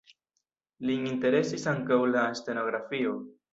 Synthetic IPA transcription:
liinte̞ɾe̞sisaŋkawlaste̞no̞ɡɾafio

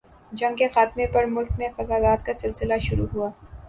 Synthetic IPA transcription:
d͡ʒɐ̃ŋkexaːt̪mepɐɾmʊlkmẽfɐzaːd̪aːt̪kasɪlsɪlaʃʊɾuɦuaː

